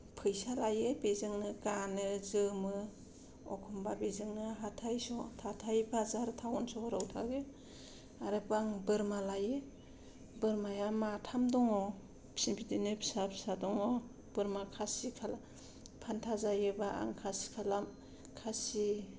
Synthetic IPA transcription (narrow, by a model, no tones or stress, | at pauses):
pʰɯjsalajebezɯŋnɯɡanɯzɯmɯ | ɔ̰kʰɔmbabezɯŋnɯɦatʰajsɔtʰatʰajbʰazaɾtʰawɔnsɔɔɾawtʰaɡe | aɾɯpaŋbɯɾmalaje | bɯɾmajamatʰamdɔŋɔ | psimpʰidinɯpʰi̥sapʰisadɔŋɔ | b̥ɯɾmakʰasikʰala | pʰantʰazajɯbaa̰ŋkʰasi̥kʰalam | kʰasi